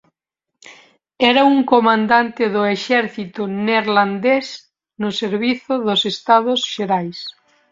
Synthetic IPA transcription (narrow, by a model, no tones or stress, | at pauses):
ɛɾauŋkomãnd̪ant̪ɪðʊeʃɛɾθit̪ʊneɾland̪es | nʊseɾβiθʊðʊsest̪að̞ʊsʃeɾajs